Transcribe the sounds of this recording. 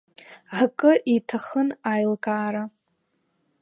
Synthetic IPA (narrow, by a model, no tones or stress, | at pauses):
ʕkʼɨʔitʰaχənajlkʼaːɾa